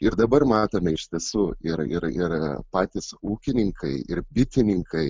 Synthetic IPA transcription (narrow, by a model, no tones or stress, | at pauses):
ɪɾd̪ɐbɐrmɑːt̪oːmʲɛɪʃt̪ʲiɛsuːɪɾɪ̰ɾɪɾpɑːt̪ʲɪsuːkʲɪnʲɪŋkʰɐɪʔɪɾbʲɪt̪ʲɪnʲɪŋkɐɪ